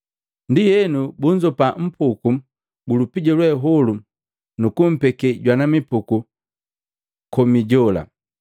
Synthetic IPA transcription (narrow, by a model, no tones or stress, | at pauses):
ndijɛnubuɲd͡ʒɔpam̩puku | bulupiɟɔlwɛɦɔlu | nukum̩pɛkɛɟwanamipuku | kɔmiɟɔla̰